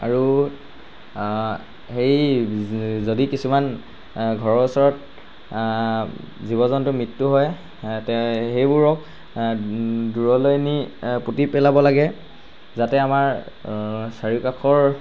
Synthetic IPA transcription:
aɹu | hej | zodikisuman | ɡʱɔɹɔusɔɹɔt̚ | zibɔzɔntʊmɹitːuɦɔj | tɛxejbuɹɔk̚ | duɹɔlojniputipɛlabɔlaɡɛ | zatɛamaɹ | saɹikakʰɔɹ

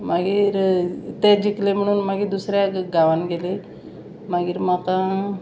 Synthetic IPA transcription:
maɡiːɾt̪ed͡ʑiklem̤əɽ̃uːnmaɡiːɾd̪usɾjaɡaʋanɡele | maɡiːɾmakã

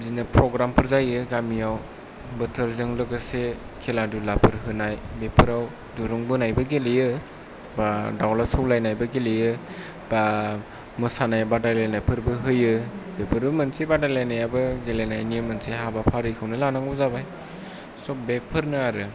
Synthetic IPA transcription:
zinapɾɔɡɾampʰɯɾzajɯɡamijaw | bɯtʰɯɾzɯŋlɯɡɯse | kʰeladulapʰɯɾɦɯnajbepʰɯɾaw | duɾɔŋbɯnajbɯɡelejɯ | badawlasɔwlajnajbɯɡelejɯ | b̥a | mɯsanajabadajlajnajpʰɯɾbɯɦɯjɯbepʰɯɾbɯmɯnsebadalajnajabɯɡelenajnijɯmɯnseɦabapʰaɾɯkʰɯwnɯlanaŋɡɯzabaj | sɔbepʰɯɾnɯaɾɯ

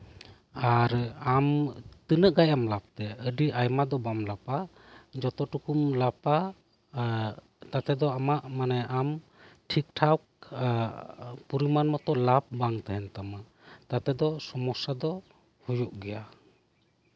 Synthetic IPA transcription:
aɾamt̪ənəʔɡajamlap̚t̪ɛəɖiʔajmad̪ɔbamlapa | d͡ʒɔt̪ɔʈukumlapa | t̪at̪ɛd̪ɔamaʔmanɛam | ʈʰik̚ʈʰawk̚ | puɾimanmɔt̪ɔlap̚baŋt̪ɛɦɛnt̪ama | t̪at̪ɛd̪ɔsɔmɔsad̪ɔ | hujuʔɡɛja

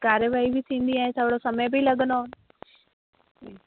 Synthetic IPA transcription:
kaːɾjəʋaːibʱit̪ʰĩːnd̪iãːĩsəbɽosɐməjbʱilɐɠənd̪on

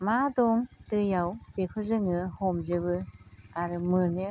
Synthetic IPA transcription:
madɔŋtɯjawbekʰɯzɯŋɯhɔmzɯbɯaɾɯmɯnɯ

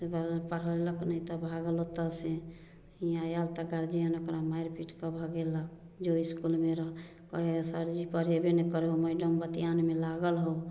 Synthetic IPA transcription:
tebapəɾ̤əleləknəit̪ɔbʱaɡəlot̪ase | ijãjalt̪aɡaɾd͡ʒiɦənokɾamaiɾpiʈkəbʱɔɡelək̚ | d͡ʒoiskulmeɾəɦ | kɔɦesaɾd͡ʒipəɾɦebenɛkəɾeɦoməjɖəmbət̪ijanmelaɡəlɦo

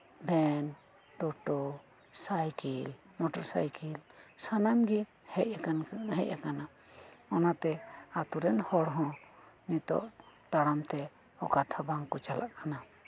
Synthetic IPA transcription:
bʱɛn | ɖɔʈɔ | sajkil | mɔʈɔɾsa̰jkilsanamɡi | hɛʔ̚ɦɛ̰c̚akana | ɔnat̪ɛat̪uɾɛnhɔɽɦɔ̃nit̪ɔ̰ʔt̪aɽamt̪ɛ | ɔkat̪ʰabaŋkɔt͡ʃala̰ʔkana

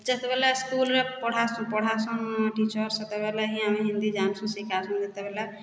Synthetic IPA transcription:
d͡ʒət̪bɛlaskulɾepəɽ̤asũpɔɽ̤ʱasɔ̃ʈit͡ʃəɾsət̪ebɛlaɦĩameɦĩnd̪id͡ʒansũsikʰasəmd̪et̪ebɛla

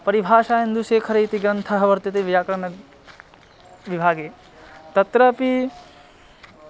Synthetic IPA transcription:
pɐɾibʱaːʃaːjɐnd̪uʃeːkʰɐɾɐjt̪iɡɾɐnt̪ʰɐɦɐʋɐɾt̪ɐt̪eːʋijaːkɐɾɐɳɐ | ʋibʱaːɡeː | t̪ɐt̪ɾɐpi

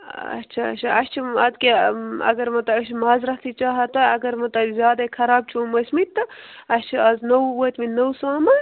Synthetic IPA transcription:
ɐ̰tːt͡ʃʰaɐ̰t͡ʃʰɐɐʃt͡ʃʰiɐd̪keɐ̰ɡɐɾmɐt̪ɐbɐʃmaːzɾɐht̪ʰit͡ʃaːɦɐt̪ɐɐɡɐɾmɐt̪ɐzjaːd̪ɐkʰɐɾaːb̚t͡ʃʰumɐsmit̪ːɐɐst͡ʃʰiɐznɐwwɐt̪minɐwsaːmɐ

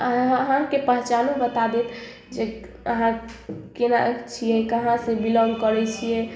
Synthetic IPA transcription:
əɦɦãkepəɦt͡ʃanũbət̪ad̪et̪ | d͡ʒe | əɦãkenaʔekt͡ʃʰijɛkəɦãsẽbilɔ̃ŋɡkəɾɛt͡ʃʰijɛ

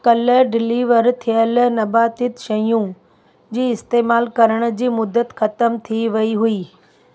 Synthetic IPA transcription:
kɐləɖɪliːʋəɾt̪ʰijəlnɐbaːt̪ɪt̪ʃɐjũ | d͡ʑiːɪst̪eːmaːlkɐɾəɽ̃̆d͡ʑiːmʊd̪ət̪xɐt̪əmt̪ʰiʋɐiɦuiː

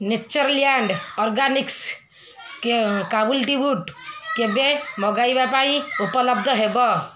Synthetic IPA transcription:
net͡ʃəɾljaɳɖɔɾɡaniks | kekabulʈibuʈkebemɔɡaibjapaiupələb̚d̪ʱəɦebɔ

